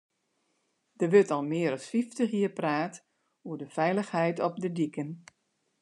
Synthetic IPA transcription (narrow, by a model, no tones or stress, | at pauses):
d̥əʋøtɔlˠmɪːəɾɔsfiftəxjiəpraːt | uədəfɛjləxhɛjtɔp̚dədikən